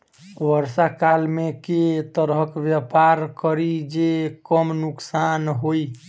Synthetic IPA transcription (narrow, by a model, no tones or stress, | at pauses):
ʋəɾsakalmeket̪əɾɦəkʋjəpaɾkəɾid͡ʒekəmnuksanɦoi